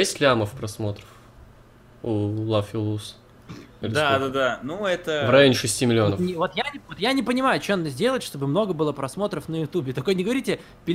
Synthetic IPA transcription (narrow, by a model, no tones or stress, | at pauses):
ɛsʲtʲlʲaməfpɾɐsmo̞t̪ɾəf | ulˠafʲɪlˠus | lʲd̪ad̪ad̪anuɛt̪əvrɐjonʲɪʂɨsʲtʲimʲɪlʲɪonənʲvo̞t̪jaɪvot̪janʲɪpənʲɪmajʊt͡ɕenad̪əzʲdʲe̞lˠətʲʂt̪o̞bɨmno̞ɡəbɨlˠəpɾɐsmo̞t̪ɾəfnəjʊt̪ubʲɪt̪ɐko̞jnʲɪɡəvɐɾʲitʲɪ | pʲɪ